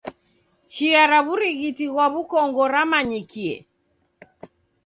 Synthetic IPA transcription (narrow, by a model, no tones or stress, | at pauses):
t͡ʃiaɾaβuɾiɣitiɣwaβukɔŋɡɔɾamaɲikiɛ̰